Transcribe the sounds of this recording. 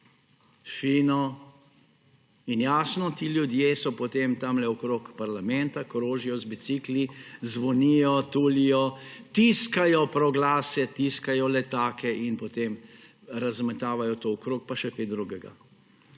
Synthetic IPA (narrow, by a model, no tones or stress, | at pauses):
ʃinɔ | injaːsnɔt̪iːlʲjud̪jeːsɔpɔt̪emt̪amlɛɔkɾoːkpaɾlamɛnt̪akɾoːʒijɔzbit̪siːklizʋɔniːjɔt̪uːlijɔt̪iːskajɔpɾɔɡlaːsɛt̪iskajɔlɛt̪aːkɛʔinpɔt̪em | ɾazmɛt̪aːʋajɔt̪oɔkɾoːk̚paʃɛkejd̪ɾuɡɛɡa̰